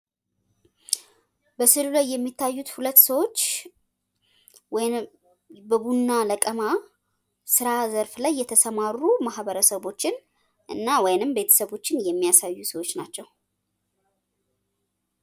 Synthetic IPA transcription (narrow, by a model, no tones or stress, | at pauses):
bəsɨlulajːɛmːit̪ʰːajːut̪hulət̪ːsəwo̞t͡ʃː | w | bəbunːaləkʼəma | sɨɾazəɾflajːɛt̪ʰəsəmarːumahβəɾəsəβo̞t͡ʃːɪn | ʔɨnːawɔjnɨmbe̞t̪ʰə̥səβo̞t͡ʃːɪnjɛmːijasajːusəwo̞t͡ʃːnat͡ʃːɛw